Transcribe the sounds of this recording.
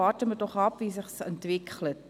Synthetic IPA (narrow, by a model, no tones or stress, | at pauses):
ɑːrtəmətoχɑpviːsəχsəntʋɪkʰlət